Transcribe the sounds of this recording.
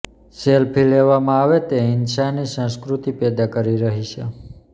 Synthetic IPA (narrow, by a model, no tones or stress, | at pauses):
selpʰileʋamãaʋet̪eɪnʃanisə̃skɾut̪ipɛd̪akəɾiɾəɦit͡ʃʰe